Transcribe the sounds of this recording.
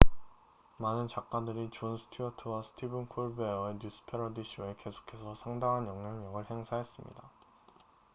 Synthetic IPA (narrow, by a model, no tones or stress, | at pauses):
manɯnt͡ɕak͈̚adɯɾit͡ɕonsʰɯ̥tʰiʌtʰɯwasʰɯ̥tʰibɯnkʰoɭbeʌeɲjus͈ʰɯ̥pʰe̞ɾʌdiɕʰieke̞sʰo̥kʰe̞sʰʌsʰaŋdaŋɦanjʌŋɲaŋɲʌɡɯɭhe̞ŋsʰaɦe̞s͈ɯmɲḭda